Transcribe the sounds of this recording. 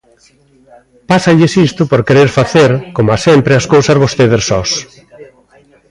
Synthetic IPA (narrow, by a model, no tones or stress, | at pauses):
pasɐʎɪsist̪ʊpoɾkeɾeɾfaθeɾkomʊasempɾɪɐskowsazβost̪eðessɔs